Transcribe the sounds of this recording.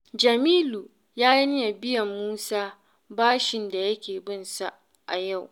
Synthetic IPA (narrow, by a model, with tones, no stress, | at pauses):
d͡ʒɐ˨miː˦lu˨ | jaː˦ji˦nɪ˦ja˨bɪ˦jɐ˨mːuː˦saː˦ | baː˦ʃɪ˨nda˨jɐ˦kʲeː˨bɪ˦nsa˦˨ | ʔa˨ja˦˨w